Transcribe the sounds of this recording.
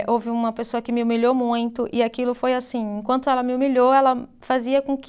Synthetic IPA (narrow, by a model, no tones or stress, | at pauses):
ʔowvɪũmɐpesoɐkɪmɪumiʎomũj̃t̪ʊʔɪakilʊfojasĩẽkwɐ̃nt̪ʊɛlɐmɪumiʎoɛlɐ | faziɐkõk